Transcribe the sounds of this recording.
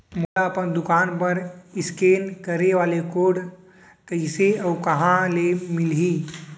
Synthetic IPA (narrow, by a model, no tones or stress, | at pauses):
molaəpənd̪ʊkaːnpəɾɪskeːnkəɾeʋaːlekoːɽ | kəɪseəʊkɐɦãlemɪlɦi